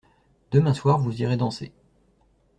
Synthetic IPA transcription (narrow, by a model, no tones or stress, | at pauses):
d̪̥əmɛ̃swaʁvuziʁed̪ɑ̃se